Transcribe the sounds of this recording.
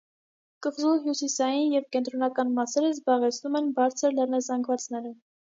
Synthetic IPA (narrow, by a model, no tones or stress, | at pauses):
kəχzuɦjusisɑjinjɛvkɛnt̪ɾɔnɑkɑnmɑsɛɾəzbɑʁɛt͡sʰnumɛnbɑɾt͡sʰəɾlɛɾnɑzɑŋɡvɑt͡sn̪ɛɾə